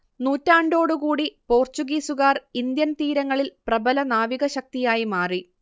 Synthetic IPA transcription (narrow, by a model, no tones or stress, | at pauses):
nuːtːaːɳɖo̞ːɽukuːɽipo̞ːrt͡ɕuɡiːsuɣaːrind̪jɐnt̪iːɾɐŋːɐɭilprɐbɐlɐnaːʋiɣɐɕɐk̚t̪ijaːjimaːri